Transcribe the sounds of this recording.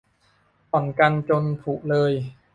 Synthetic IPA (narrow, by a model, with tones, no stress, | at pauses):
pɔ˨˩nka˧nt͡ɕo˧np̪ʰuː˨˩k̚lɤː˧j